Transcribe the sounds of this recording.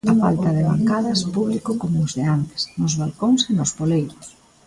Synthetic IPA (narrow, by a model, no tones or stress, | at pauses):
afa̰lt̪ɐðeβa̰ŋkaðɐspuβlikʊkomozðeant̪ɪ̥snʊzβalkoŋsenʊspolejɾʊs